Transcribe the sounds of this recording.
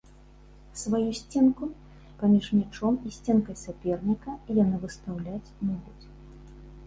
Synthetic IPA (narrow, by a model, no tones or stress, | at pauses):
svajusʲt͡sʲɛnku | pamʲiʂmʲɛt͡ʂɔmisʲt͡sʲɛnkɐjsapʲɛrnʲikɐjanɨvɨst̪awlʲat͡sʲmuɡut͡sʲ